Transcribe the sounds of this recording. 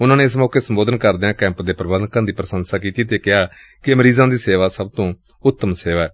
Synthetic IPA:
ʊnãːneːɪsmɔːkeːsəmboːd̪ənkəɾd̪eãːkɛ̃ːmpd̪eːpɾəbəd̪nkãːd̪iːpɾəsənsaːkiːt̪iːt̪eːkɪɦaː | kɪəməɾiːzãːd̪iːseːʋaːsəb̚t̪õː | ʊt̪ːəmseːʋaːɛː

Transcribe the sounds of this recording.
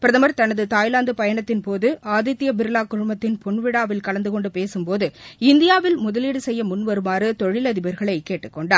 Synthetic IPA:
pɪɾɐðɐmɐɾt̪ɐnɐðɯt̪aːjlaːnd̪ɯpɐjɐɳɐt̪ːɪnpoːðɯʔaːðɪt̪ːɪjɐbɪɾɯlaːkːʊɻʊmbɐt̪ːɪnpɔɳʋɪɽaːʋɪlkɐlɐnd̪ɯkɔɳɖɯpeːsɯmpoːðɯɪnd̪ɪjaːʋɪlmʊðɐliːɽɯsɛjːɐmʊnʋɐɾɯmaːɾɯt̪ɔɻɪlɐðɪbɐɾɣɐɭɐɪkeːʈːɯkːɔɳɖaːɾ

